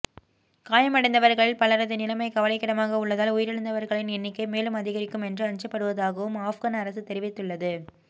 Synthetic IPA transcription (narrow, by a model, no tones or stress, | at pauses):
kaːjɐmɐɽɛɪnd̪ɐʋɐɾɣɐɭɪlpɐɭɐɾɐðɯnɪlɐmɐɪkɐʋɐlɐɪkːɪɽɐmaːɣɐʊɭːɐðaːlʊjɪɾɛɭɯnd̪ɐʋɐɾɣɐɭɪnɛnːɪkːɐɪmeːlɯmɐðɪɣɐɾɪkːɯmɛndrɯɐɲd͡ʒɐpːɐɽɯʋɐðaːɣɐʋɯmaːfɣaːnɐɾɐsɯt̪ɛɾɪʋɪt̪ːɯɭːɐðɯ